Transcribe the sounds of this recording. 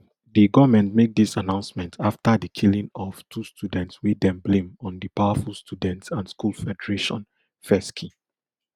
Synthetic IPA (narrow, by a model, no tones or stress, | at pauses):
diɡɔvmɛ̃ntmek̚disanãʊ̃nsmɛ̃ntʰaftadikʰilĩŋɔv̥tʰustjudɛ̃ntswidɛ̃mblẽmɔ̃ndəpawafulstʰudɛ̃ntsãnskulfɛdəɹeʃɔ̰̃n | fɛskʰi